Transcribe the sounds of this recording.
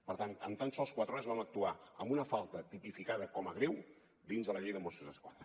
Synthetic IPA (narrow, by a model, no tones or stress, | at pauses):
pəɾt̪anəmt̪ansɔlˠskwat̪ɾɔəzβamək̚t̪uaə̰mbunəfalˠt̪ət̪ipifikaðəkɔməɣɾew | d̪inzðələʎejðəmosuzðəskwaðɾə